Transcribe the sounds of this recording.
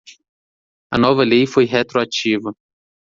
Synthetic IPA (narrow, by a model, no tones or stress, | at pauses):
ɐ̰nɔvɐlejfojɦet̪ɾoat͡ʃivɐ